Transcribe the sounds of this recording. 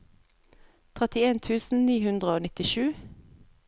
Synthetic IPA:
t̪ʰʁɛt̪ɪeːnt̪ʰʉːsn̩niːhʉnd̪ʁəoːnɪt̪ɪʃʉː

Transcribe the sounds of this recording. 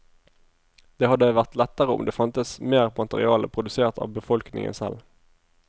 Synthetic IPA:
d̪̥eːhɑd̪ːəʋæʁt̪lɛt̪ːəʁəʊ̰md̪eːfɑnt̪əsmeːʁmɑt̪əʁɪ̰ɑːləpʰʁʊd̪ʉseːʁt̪ʰɑ̰ːʋbəfɔlknɪ̰ŋə̰nsɛ̰l

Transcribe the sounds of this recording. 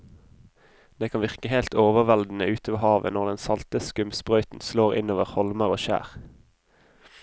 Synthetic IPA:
d̪̥eːkʰɑnʋɪʁkəheɪlt̪oːʋəʁʋɛld̪n̩əʉːt̪oːʋəʁhɑːʋə̰nɔʁd̪ɛnsɑlt̪əskʉmspʁœʏt̪n̩sloːʁɪ̰noːʋəʁhɔlməʁoːʃæ̰ːʁ

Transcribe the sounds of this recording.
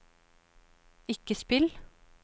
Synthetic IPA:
ɪkəspɪl

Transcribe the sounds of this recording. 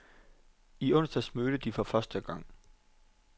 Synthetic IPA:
iɔ̽n̰sd̥ɛsmøːɾ̥əd̥ifɒ̽fɶɐsd̥əɡ̥ɑ̈ŋ̰

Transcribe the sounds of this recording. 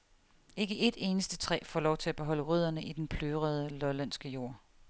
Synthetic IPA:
e̝ɡ̥əʔe̝d̥e̝ːnəsd̥ət͡sʰʁɛ̰ːfɒ̰ːlɒʊt͡sʰe̝læb̥e̝ɦɒ̽l̰əʁyð̞̰ˠɐnəʔid̥enpʰløːʁəð̞ˠəlɒlæn̰sɡ̥əjo̝ɐ̰

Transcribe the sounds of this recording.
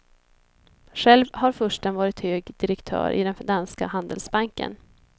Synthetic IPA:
ɧɛlvhaɾfœʂʈənvɑːɾɪt̪høːɡd̪ɪɾɛkt̪ʰœ̰ːɾʔɪ̰d̪ɛnd̪anska̰hand̪əlsbaŋkə̰n

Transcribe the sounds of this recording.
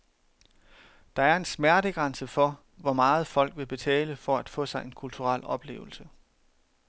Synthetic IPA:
d̥ɑ̈æɐe̝nsmæɐɾəɡ̥ʁɑ̈nsəfɒ̽ | ʋɒmɑ̈ːð̞̩ˠfɒ̽l̰ɡ̥ʋe̝b̥e̝t͡sʰɛ̰ːləfɒæd̥fɔ̰̽ːsɑ̈ɪe̝nkʰult͡sʰuʁɑl̰ɒ̽b̥le̝̰ːʊl̩sə

